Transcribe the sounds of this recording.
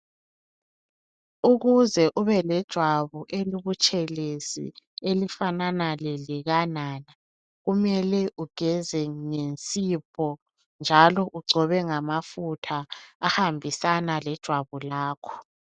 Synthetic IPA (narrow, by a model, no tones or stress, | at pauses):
uɣuzɛʔuβɛlɛd̥ʒ̥ʱwaβuʔeliβut͡ʃʼɛlesḭelifananalɛliɣanana | ɣumɛlɛʔuɡ̥ʱɛzɛŋent͡sʼipʰɔ | nd͡ʒʱalɔʔuɡ͡ǀʱɔβɛŋamafutʰaːhambʱisanalɛd̥ʒ̥ʱwaβulaːkʰɔ̥